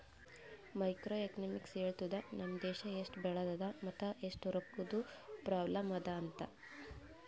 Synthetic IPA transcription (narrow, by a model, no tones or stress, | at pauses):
mɐjkɾoːekɐnɐmikseːɭt̪ud̪ɐnɐmd̪ɛːʃɐeʂʈbɛɭɐd̪ɐd̪ɐmɐt̪ːɐʔeʂʈuɾɐpːud̪upɾaːblɐmɐd̪ɐːnt̪ɐ